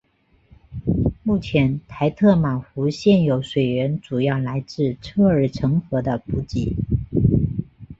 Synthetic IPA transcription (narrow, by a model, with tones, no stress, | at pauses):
mu˥˩t͡ɕʰjɛ˧˥nt̪ʰa˧˥ɪt̪ʰɤ˥˩ma˨˩xu˧˥ɕjɛ˥˩njo˧˥ʊʂwe˨˩ɪɻə˧˥nʈ͡ʂu˨˩jɑ˥˩ʊla˧˥ɪt͡sɹ̩˥˧ʈ͡ʂʰɤ˥˩ə˞˨˩ʈ͡ʂʰɤ˧˥ŋxɤ˧˥d̪ə˧pu˧˥t͡ɕi˧˥